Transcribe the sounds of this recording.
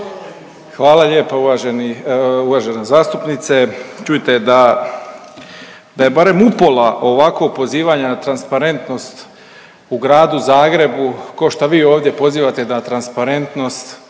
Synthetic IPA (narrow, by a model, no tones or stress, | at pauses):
xʋaːlˠaʎe̞ːpauʋaʒeniuʋaːʒe̞nazaːst̪upnit̪set͡ʃujit̪e̞d̪a | d̪aje̞baɾe̞mupo̞laʔo̞ʋako̞ɡ̚po̞ziːʋaɲanat̪ɾanspaɾe̞nt̪no̞st̪ | uɡɾaːd̪uzaːɡɾe̞bukaʃt̪aʋiːoːʋd̪je̞po̞ziːʋat̪e̞nat̪ɾanspaɾe̞nt̪no̞st̪